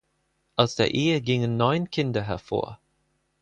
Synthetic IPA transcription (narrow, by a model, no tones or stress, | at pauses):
ʔaʊsd̥ḛːɐʔeːəɡɪŋə̃nːɔ̃ɪnkʰɪndəɦɛɐfo̰ːɐ